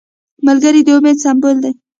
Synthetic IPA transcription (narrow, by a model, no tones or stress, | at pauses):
malɡəɾid̪əomed̪sambold̪aj